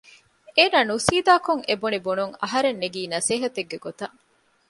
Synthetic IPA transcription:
eːnaːnusiːd̪aːkoŋebunibunuŋɐ̰ɦɐɾenːeɡiːnɐseːɦɐt̪eɡːeɡot̪ɐʔ

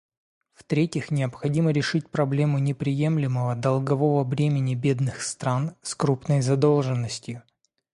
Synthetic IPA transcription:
ft̪ɾʲetʲɪxnʲɪəpxɐdʲiməɾʲɪʂɨt̚ʲpɾɐblʲe̞mʊnʲɪpɾʲɪje̞mlʲɪməvəd̪ɐlˠɡɐvo̞vəvɾʲemʲɪnʲɪbʲe̞d̪nɨxst̪ɾanskɾupnəjzɐd̪o̞lˠʐɨnːəsʲtʲjʊ

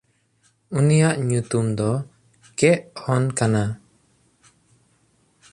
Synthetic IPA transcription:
unijaʔɲut̪umd̪ɔ | kɛʔhɔnkana

